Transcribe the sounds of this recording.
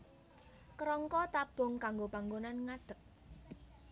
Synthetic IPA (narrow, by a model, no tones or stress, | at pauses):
kɾɔŋkɔt̪ab̥ʊ̤ŋkaŋɡopaŋɡonanŋad̪̥ə̤k̚